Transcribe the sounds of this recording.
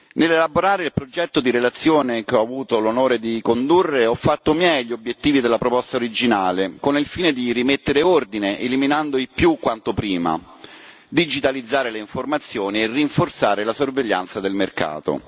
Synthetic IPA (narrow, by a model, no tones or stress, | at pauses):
nelelaboɾaːɾeilpɾod͡ʒɛt̪ːod̪iɾelat̪sːjoːnekeɔavuːt̪olonoːɾed̪ikond̪urːeɔfːat̪ːomjɛjʎːiobjet̪ːiːvid̪elːapɾopɔst̪aoɾid͡ʒinaːlekonilfiːned̪irimet̪ːeɾeord̪ineʔeliminand̪oipjukːwant̪opɾiːma̰ | d̪id͡ʒit̪alid̪zːaːɾeleiɱformat̪sːjoːnierːiɱfort̪saːɾelasorveʎːa̰nt̪sad̪elmerka̰ːt̪o̰